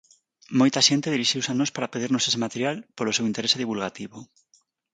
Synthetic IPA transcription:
mojt̪aʃent̪eð̞iɾiʃiwsanospaɾapeð̞iɾnosesemat̪eɾjalpolosewint̪eɾeseð̞iβulɣat̪iβo

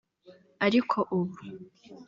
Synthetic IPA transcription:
aɾikʰo̞ʔuβu

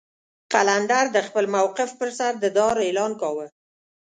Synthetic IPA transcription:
qaland̪aɾd̪əxpəlmawqɪfpəɾsaɾd̪əd̪ɑɾelɑnkɑwə

